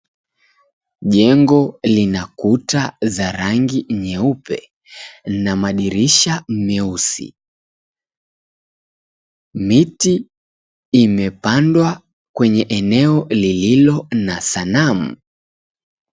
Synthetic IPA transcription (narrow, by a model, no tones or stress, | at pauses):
ʄɛŋɡɔlinakutazaɾaŋɡiɲɛupɛ̰ | namaɗiɾiʃam̩mɛusḭ | mitiː | mɛpandwa | kwɛɲɛʔɛnɛɔlililɔnasanamu